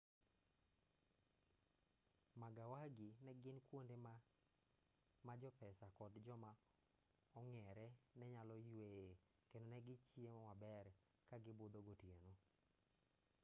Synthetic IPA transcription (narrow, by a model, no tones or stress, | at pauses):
maɡawaɡinɛɡɪnkwonde | mad͡ʒɔpɛsakɔdd͡ʒɔma | ɔŋɛɾɛnɛɲalɔjwee | kendonɛɡɪt͡ʃiemawabɛɾ | kaɡɪbʊd̪oɡotjeno